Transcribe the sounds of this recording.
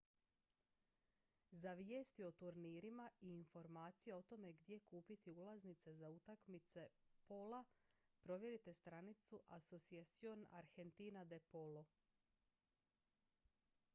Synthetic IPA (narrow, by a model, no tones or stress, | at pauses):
zaʋijeːst̪io̞t̪uɾniːɾimaiːnfo̞ɾmaːt̪sijeot̪o̞me̞ɡd̪je̞kuːpit̪iulˠaznit̪se̞zaut̪akmit̪se̞po̞la | pɾo̞ʋje̞ɾit̪e̞st̪ɾanit̪suʔaso̞tsiat̪sio̞na̰ɾxe̞nt̪iːnad̪e̞po̞lo